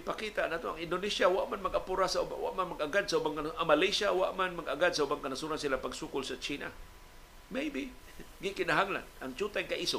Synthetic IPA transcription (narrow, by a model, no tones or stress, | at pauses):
ɡɪpakit̪aʔnaːt̪oaŋɪndʊnisjawaʔmanmaɡʔapuɾasaṵawa̰ʔmanmaɡʔaɡad̪̚saubaŋknʔamalejsawaʔmanmaɡaɡad̪̚saubaŋkanasuɾansilapaɡsukʊlsat͡ʃiːna̰ | mejbi | ɡikɪnaɦaŋla̰nʔaŋt͡ʃut̪ajkaʔiso